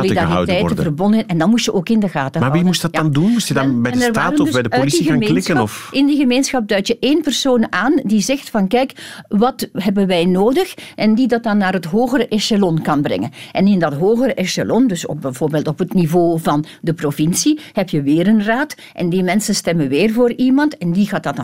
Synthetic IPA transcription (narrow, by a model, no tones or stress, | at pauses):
lidaritɛjtəvərbɔndənɛndɑnmustjəʔoːkɪndəɣaːtəmaʋimusdɑtndunmusjədnbɛɛnɛrʋaːrəndbɛdəœːidsiɣaːŋmeːlnɪskənɔfɪndiɣəmeːnsxɑp̚dœɥtjəʔeːnpərsoːnaːndizɛxtfɑnkɛjkʋɑtɦɛbənʋɛjnoːdəxʔɛndidɑt̚dɑnːaːrɦətɦoːɣəɾəʔɛsalɔnkɑnbrɛ̰ŋənʔɛnɪndɑtɦoːɣəɾəʔɛsa̰lɔndɵso̰bɛvoːrbeːlˠtɔpɦətnivoːvɑn | dəprovɪnsihɛpjəʋɪːɾənraːt | ʔɛ̰ndimɛnsənstɛmənʋɪːrvoːrimɑntɛndiɣaːt̚dɑt